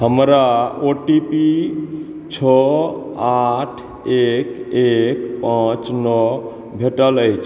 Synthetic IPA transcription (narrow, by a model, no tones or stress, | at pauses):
ɦəmɾaoʈipi | t͡ʃʰɔ | aʈʰ | ekekpãt͡ʃnɔ | bʱeʈələjt͡ʃʰ